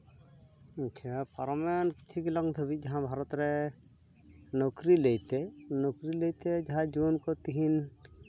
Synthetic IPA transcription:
t͡ʃʰapaɾɔmɛnki̥t͡ʃʰikilɔŋd̪ʰʱəbic̚ˀd͡ʒaɦãbʱaɾɔt̪ɾɛ | nɔkɾilejt̪ɛnɔkɾilejt̪ɛd͡ʒaɦãd͡ʒunkɔt̪iɦin

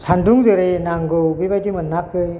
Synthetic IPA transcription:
sʰanduŋzɯɾenaŋɡɯwbibajdimɯnːakʰɯj

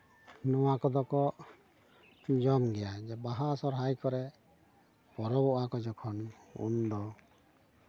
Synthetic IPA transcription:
nɔwakɔd̪ɔkɔʔ | d͡ʒɔmɡɛjad͡ʒɛbaɦasɔɾɦajkɔɾɛ | pɔɾɔbɔʔakɔd͡ʒɔkʰɔnṵnd̪ɔ

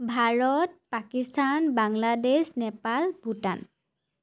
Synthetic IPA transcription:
bʱaɹɔt̚pakistʰanbaŋladesnɛpalbuta̰n

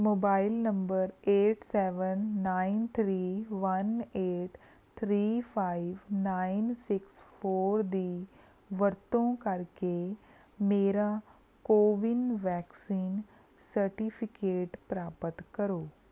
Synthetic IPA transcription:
moːbailnəmbəɾeːʈsɛʋənːaint̪ʰɾiːʋəneʈ | t̪ʰɾiːfaiʋnainsiksfoːɾd̪iː | ʋəɾt̪õkaɾke | meːɾa | koʋinʋɛksiːn | səɾʈifikeːʈpɾapət̪kəɾoː

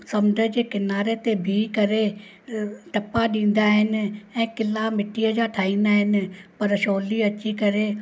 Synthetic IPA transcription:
sɐmɖʱəd͡ʑeːkɪnaːɾet̪ebʱikɐɾe | ʈɐpaɗĩːn̆d̪aːɦɪnɪ̆ɛ̃ːkɪlamɪʈiəd͡ʑaːʈʰaːĩːnd̪aːɦɪnɪ̆pɐɾʃoːliɐt͡ɕikɐɾe

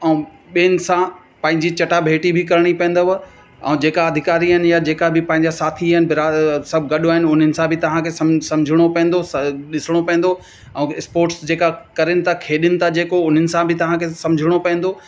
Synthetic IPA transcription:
ɛ̃ | ɓiːnɪ̆sã | pɐ̃ɦɪ̃ɲd͡ʑit͡ɕɐʈabʱeːʈibʱɪkɐɾɪɽ̃ipɐ̃n̆d̪o | ɛ̰̃ːd͡ʑeːkaɐd̪ʱɪkaːɾiɦɪnɪjad͡ʑeːkabʱɪpɐ̃ɦɪ̃ɲd͡ʑasaːt̪ʰiɦɪnɪbʱɪɾaːsɐbʱɡɐɗoaːɦɪnʊn̤ənɪ̆sãbʱɪt̪ɐʋ̤ãkʰesɐmsɐ̃md͡ʑʱɪɽ̃opɐ̃ːn̆d̪osɐɗɪsɪɽ̃opɐ̃ẽn̆d̪o | ɛ̃ːɪspoːɾʈsd͡ʑeːkakɐɾɪnɪ̆t̪ʰakʰeːɗɪnɪ̆t̪ʰad͡ʑeːkoʊn̤ənɪ̆sãbʱɪt̪ɐʋ̤ãkʰesɐmd͡ʑʱɪɽ̃opɐ̃ẽn̆d̪o

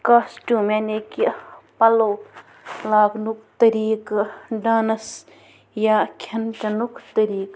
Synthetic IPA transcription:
kaːsʈuːmenekipɐloː | laːɡnukt̪ɐɾiːkɖaːnɐs | jaːkʰɐnʈɐnukʰt̪ɐɾiːk

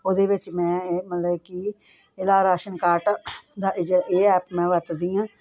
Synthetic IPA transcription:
oːd̪eːʋɪt͡ʃmɛ̃ːmət̪ləbki | ɪlaːɾaːʃənkaːɾʈd̪aːʔd͡ʒeaeːɛːpmɛ̃ːʋəɾt̪d̪ijãː

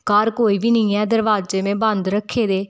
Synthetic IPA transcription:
kaːɾkoːiːʋiːnĩːɛːd̪əɾʋaːzd͡ʒeʋẽːbə̃nd̪ɾəkʰːeːd̪eː

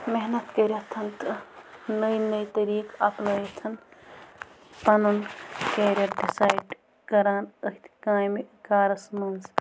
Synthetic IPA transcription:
meɦnɐt̪kɐɾɐt̪ʰɐnt̪ | nɐjnɐjt̪ɐɾiːkɐpnɐit̪ʰɐn | p̪ɐnɐnkeːɾɐɖisaːjɖ | kɐɾaːnəɦt̪ʰkãːjmekaːɾɐsmɐnz

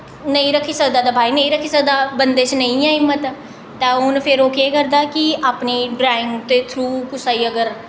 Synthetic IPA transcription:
nəĩːɾəkʰːiːsək̚d̪aːd̪aːbʱaːinə̃ĩɾəkʰːiːsək̚d̪aːbənd̪eːt͡ʃnəĩɛ̃ːɦɪmːət̪ː | t̪ɛ̃ːɦʊnpʰɪɾoːkeːkəɾd̪aːkiaːpniːɖɾaːɪ̃ŋɡt̪eːt̪ʰɾuːkʊsaːiːəɡəɾ

